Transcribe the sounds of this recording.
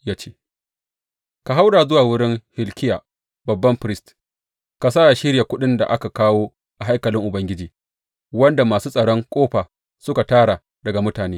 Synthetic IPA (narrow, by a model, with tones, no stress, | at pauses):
jaː˦t͡ʃeː˦ | ka˨ɦa˦wdaː˨zʊ˦waː˨wʊ˦ɽɪ˦ŋhɪ˨lkʲɪ˦jaː˨ | bɐ˨bːɐ˦mɸɾɪ˦st | ka˨saː˦ʔa˨ʃɪ˦ɽja˨kʷʊ˦ɗɪ˦nda̰˨ʔa˦ka˨kaː˦woː˦ | ʔa˨ɦa˦jkɐ˨lɪ˦ŋʔʊ˨bɐ˦ŋɡʲɪ˦d͡ʒiː˨ | wɐ˦nda˨maː˨suː˦sʼɐ˨ɽɔ˦ŋkʷʼoː˦ɸaː˨ | sʊ˦ka˨taː˦ɽa˨ | dɐ˨ɡa˨mʊ˦taː˨neː˦